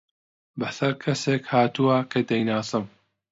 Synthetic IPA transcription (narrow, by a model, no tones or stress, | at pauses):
bɐsɐɾkʰɐseːkhaːt̪uwɐkʰɐd̪ɐjnaːsɨm